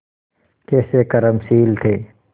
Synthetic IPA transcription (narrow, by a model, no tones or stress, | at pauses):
kɛːsekɐɾəmsiːlt̪ʰeː